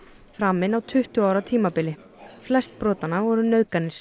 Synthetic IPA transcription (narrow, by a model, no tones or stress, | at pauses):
fɾaːmɪnawt̪ʰʏht̪ʏawɾat̪ʰiːmapɪlɪ | flɛst̪̚pɾɔːt̪anːavɔɾʏnœðkanːɪɾ̥